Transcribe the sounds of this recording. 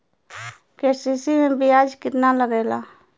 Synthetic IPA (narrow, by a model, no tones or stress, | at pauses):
kesisinẽbijad͡ʒkit̪nalaɡela